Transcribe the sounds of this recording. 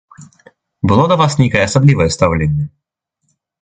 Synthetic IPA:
bɨlˠod̪ɐvasnʲejkəjəɐsɐblʲivəjəst̪ɐvlʲenʲɪjə

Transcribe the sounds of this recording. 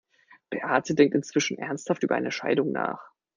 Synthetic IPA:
b̥eʔaːtədɛŋk̚tɪnt͡sv̥ɪʃn̩ʔɛɐnsthaftʔyːbɐʔa̰ɪnəʃa̰ɪdʊŋna̰ːχ

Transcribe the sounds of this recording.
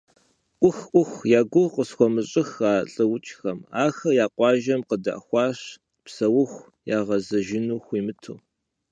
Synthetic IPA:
ʔʷʊxʔʷʊxʷjaːɡʷʊqəsxʷɔmɨɕʼɪxaːɬʼɐwʊt͡ʃʼxɐmaːxɐjaːqʷɑːʒɐmqəda̰ʔxʷɑːɕ | psɐwʊxʷ | jaːʁɐzɐʒɪnuːxʷiːmɨtʰoː

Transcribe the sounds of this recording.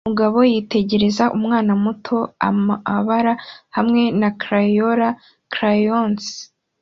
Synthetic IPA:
muɡaβo̞jite̞ɟe̞ɾe̞zaʔumŋaːnamutʰo̞a̰aβaɾahamŋe̞nakɾajoɾa | kɾajons

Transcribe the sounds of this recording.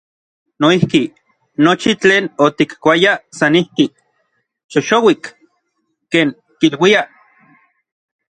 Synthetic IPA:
noihki | not͡ʃit͡ɬeːnot̪ikkʷajasanihki | t͡ʃoʃowik | keːŋ | kilwia

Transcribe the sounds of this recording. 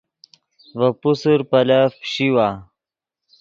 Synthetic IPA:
vɐpusəɾpɐlafɕiwa

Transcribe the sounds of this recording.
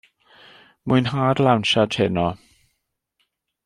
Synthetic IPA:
mʊɨnɦaːdlˠawnʃatʰɛnɔ

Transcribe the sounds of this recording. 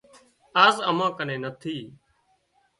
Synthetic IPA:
aːzəmãːkənẽːnət̪ʰiː

